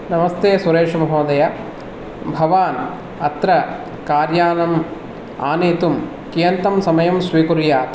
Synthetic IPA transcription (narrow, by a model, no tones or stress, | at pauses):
nɐmɐst̪eːsuɾeːʂɐmɐɦoːd̪ɐja | bʱɐʋaːn | ɐt̪ɾɐ | kaːɾjaːnɐm | a̰ːneːt̪um | kijɐnt̪ɐmsɐmɐjɐmsʋiːkuɾjaː